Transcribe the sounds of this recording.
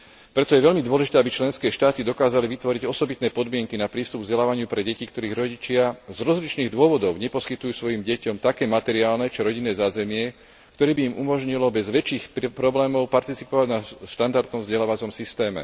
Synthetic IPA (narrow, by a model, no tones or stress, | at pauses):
pɾɛt̪ɔjɛʋɛʎmid̪ʋɔlɛʒit̪ɛabit͡ʃlɛnskɛːʃt̪aːt̪id̪ɔkaːzaliʋit̪ʋɔɾiɟɔsɔbit̪nɛːpɔd̪mɪɛŋkinapɾiːst̪ubvzɟɛlaːʋaɲɪupɾɛɟɛcikt̪ɔɾiːɣɾɔɟit͡ʃɪazɾɔzlit͡ʃniːɣd̪ʊɔʋɔd̪ɔʊɲɛpɔskit̪ujuːsʋɔjimɟɛcɔmt̪akɛːmat̪ɛɾiaːlnɛt͡ʃiɾɔɟinːɛːzaːzɛmɪɛ | kkt̪ɔɾɛːbiːmʔumɔʒɲilɔbɛzʋɛt͡ʃiːxppɾɔblɛːmɔʊpaɾt̪it͡sipɔʋaɟnaʃt̪and̪aɾd̪nɔmvzɟɛlaːʋat͡sɔmsist̪ɛːmɛ̰